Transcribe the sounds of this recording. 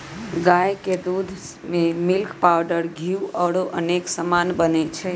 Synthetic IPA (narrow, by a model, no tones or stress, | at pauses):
ɡajked̪ud̪ʱ | memɪlkpaʋɖəɾɡʱiuʔəɽoʔəneksəmanbənet͡ʃʰe